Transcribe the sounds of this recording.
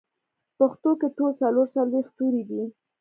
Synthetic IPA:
pəxt̪okeʈolsaloɾsalwext̪uɾid̪i

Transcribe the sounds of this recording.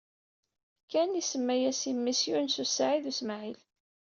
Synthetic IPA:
kːænisəmːæjæsimːisjunsusːʕiðusmʕil

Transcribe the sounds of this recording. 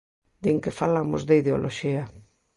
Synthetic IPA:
d̪eŋkefalamo̰zðeiðeo̰lʔoʃia

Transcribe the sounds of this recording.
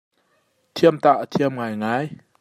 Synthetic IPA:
t̪ʰiəmt̪a̰ʔt̪ʰiəmŋaːjŋaːj

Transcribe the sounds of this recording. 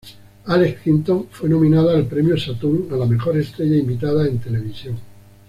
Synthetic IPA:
alekkint̪oɱfwe̞nomĩnað̞aːlpɾemjosat̪unalamexo̞ɾe̞st̪ɾeʎaimbit̪aðaent̪e̞leβ̞isjoŋ

